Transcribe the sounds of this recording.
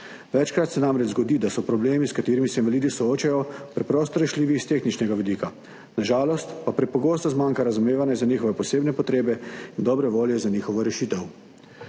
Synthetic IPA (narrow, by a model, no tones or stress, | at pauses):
ʋɛt͡ʃkɾat̪sɛnamɾɛd͡ʒzɡɔd̪id̪asɔpɾɔbleːmiskat̪eːɾimisɛinʋaliːd̪isɔoːt͡ʃajɔpɾɛpɾɔːst̪ɔɾɛʃliːʋiːst̪exnit͡ʃnɛɡaʋid̪iːka | naʒaːlɔst̪papɾɛpɔɡoːst̪ɔzmaːŋkaɾazumeːʋanjɛzaniːxɔʋɛpɔseːbnɛpɔt̪ɾeːbɛind̪ɔːbɾɛʋoːljɛzaniːxɔʋɔɾɛʃiːt̪ɛw